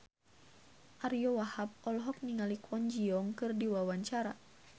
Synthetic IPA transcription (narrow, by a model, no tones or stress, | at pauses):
ʔaɾijɔwahap̚ɔlɦɔk̚niŋalikʰɔnd͡ʒiɔŋkɨrdiwawaɲt͡ʃaɾa